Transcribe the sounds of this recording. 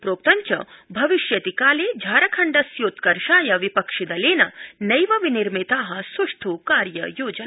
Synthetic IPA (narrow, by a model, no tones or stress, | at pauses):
pɾoːk̚t̪ɐɲt͡ʃɐ̰bʱɐʋiʃjɐt̪ikaːleːd͡ʒʱaːɾɐkʰɐɳɖɐsjoːt̪kɐɾʃaːjɐʋipɐkʂid̪ɐleːnɐnɐjʋɐʋiniɾmit̪aːɦɐ̆sɐʂt̪ʰuːkaːɾjɐjoːd͡ʒɐna